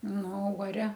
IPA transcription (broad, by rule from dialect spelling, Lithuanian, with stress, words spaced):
ˈnʊ oː uɔˈrʲɛ